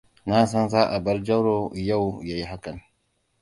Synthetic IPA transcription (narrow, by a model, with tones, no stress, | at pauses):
na˦s̬ɐ˦nzaː˦ʔa˨bɐ˦ɾd͡ʒɐ˦ɾo˨ja˦˨wja˦ji˦ɦa˦kɐ˨n